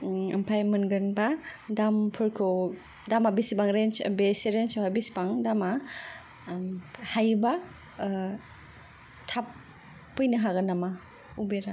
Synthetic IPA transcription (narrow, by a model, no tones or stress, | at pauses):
empʰajmɯnɡɯnbadampʰɯɾkʰɯw | damabisibaŋɾent͡ʃbeseɾent͡ʃaabisbaŋdama | hajba | tʰapː | ɯjnɯɦaɡɯnama | ubeɾa